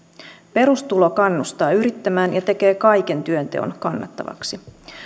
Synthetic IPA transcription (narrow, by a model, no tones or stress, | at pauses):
pe̞ɾust̪ulo̞kɑnːust̪ɑːyɾit̪ːæmæːnjɑt̪e̞ke̞ːkɑjk̟e̞nt̪yø̞nt̪e̞̰o̰nkɑnːɑ̰t̪ːɑ̰ʋɑ̰ksi